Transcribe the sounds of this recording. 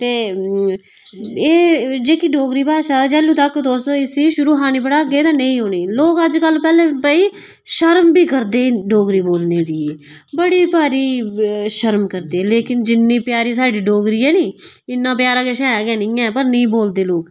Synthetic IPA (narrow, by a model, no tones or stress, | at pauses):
t̪eː | eːd͡ʒeːkiːɖoːɡɾiːpaːʃaːd͡ʒɛːlũːt̪əkd̪oːsoːɪsiːʃʊɾuːɦaːniːpəɽaːɡeːt̪ãːnəĩːɦoːneːloːkəd͡ʒkəlːpɛːlẽːpəiː | ʃəɾmbiːkəɾd̪eːɖoːɡɾiːboːlneːd̪iː | bəɽiːpaːɾiːʃəɾmkəɾd̪eːleːkɪnd͡ʒɪnːiːpɪjaːɾiːsaːɖiːɖoːɡɾiːɛːniːɪnːãːpɪjaːɾãːkeʃɛːɡɛːnɪ̃ːɛ̃ːpəɾnəĩːboːld̪eːloːk